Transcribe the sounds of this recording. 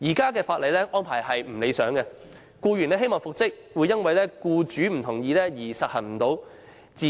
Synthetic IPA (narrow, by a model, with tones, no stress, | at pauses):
jiː˨˩kaː˥k̬ɛː˧faː˧t̚le˨jlɛː˥ʔɔː˥npʰaː˨˩jhɐ˨jm̩˨˩le˨˧jsœː˨˥ŋkɛ˧ | kuː˧ɥy˨˩nlɛː˥˩ɦe˥jmɔː˨ŋfʊ˨k̚t͡sɪ˥k̚wu˨˧jɐ˥nwɐ˨jlɛː˥kuː˧t͡ʃyː˨˥m̩˨˩t̪ʰʊ˨˩ŋjiː˨˧lɛː˥jiː˨˩sɐ˨t̚hɐ˨˩nm̩˨˩t̪o˨˧˥w | t͡siː˨